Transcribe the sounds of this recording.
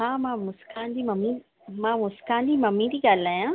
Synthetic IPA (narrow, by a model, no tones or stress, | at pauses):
ɦãːmãːmʊskãːnd̪iːmɐmːi | mãːmʊskãːnd̪imɐmːĩd̪iːɡaːlaːjãː